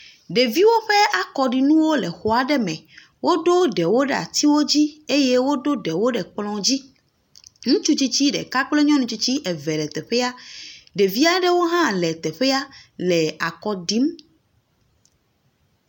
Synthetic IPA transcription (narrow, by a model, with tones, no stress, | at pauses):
ɖe˨vi˦wo˦ɸe˦ʔa˨kɔ˨ɖi˨nũ˦wo˦lɛ˨xɔ˨a˨ɖɛ˦mɛ̃˨ | wo˦ɖo˦ɖɛ˨wo˦ɖɛ˨a̰˨t̪i˦wo˦d͡ʑi˦e˦je˦wo˦ɖo˦ɖɛ˨wo˦ɖɛ˨k͡plɔ̃˨d͡ʑi˦ | ŋũ˦t͡ʃu˦t͡ɕi˦t͡ɕi˦ɖɛ̰˨ka˦k͡ple˦ɲɔ̃˦nũ˨t͡ɕi˦t͡ɕi˦ʔɛ˨vɛ˨lɛ˨t̪ɛ˨ɸɛ˦a˦ɖe˨vi˦a˦ɖɛ˦wo˦ɦã˦˨lɛ˨t̪ɛ˨ɸɛ˦a˦lɛ˨a˨kɔ˨ɖi˦m